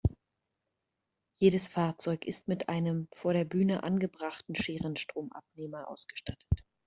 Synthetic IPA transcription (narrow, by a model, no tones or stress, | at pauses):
jeːɾəsfaːɐt͡sɔʏkɪstmɪtʔaɪnəmfoːɐɾeːɐbyːnəʔa̰nɡəbʁaχtn̩ʃeːʁənʃtʁ̥oːmʔa̰p̚neːmɐʔa̰ʊsɡ̥ə̥ʃtʰatə̥t